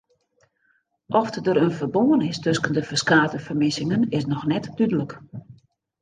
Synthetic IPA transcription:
ʔɔftdəɾənfərboːənɪstøskəndəfəskaːtəfərmɪsɪŋənɪsnɔxnɛtdydələk

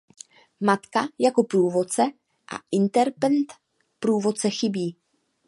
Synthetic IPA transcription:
mat̪kajako̞pɾuːvo̞t̚t͡sɛ | ʔa̰ʔɪnt̪ɛɾpɛnt̪ | pɾuːvo̞t̪̚t͡sɛxɪbiː

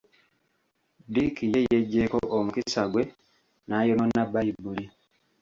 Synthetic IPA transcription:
dikijejeɟːeko̞ʔomukisaɡwe̞ | najononːabːajibːuli

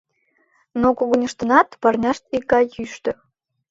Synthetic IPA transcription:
nokoɣə̆nʲə̆ʃt̪ə̆nɑt̪pɑrnʲɑʃt̪ikːɑjyʃt̪ɤ̆

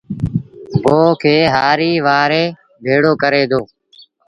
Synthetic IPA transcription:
boːkʰeːɦaːɾiːʋaːɾeː | bʱeːɽoːkəɾeːd̪oː

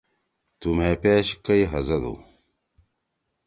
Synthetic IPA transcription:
t̪umeːpeːɕkɐjɦɐzɐd̪ṵ

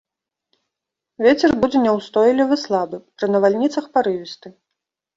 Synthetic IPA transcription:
vʲet͡sʲɛrbud͡zʲɛnʲɛwst̪ɔjlʲivɨslˠabɨpɾɨnɐvalʲnʲit̪sɐxpaɾɨvʲist̪ɨ

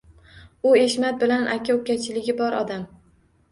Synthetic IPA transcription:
ʊeʃmat̪̚bɪlanʔakʰʲakʲat͡ʃʰɪlɪɡʲɪbɒɾɒd̪am

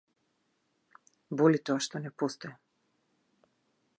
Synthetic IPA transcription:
bɔlit̪ɔaʃt̪ɔnɛpɔst̪ɔjɛ

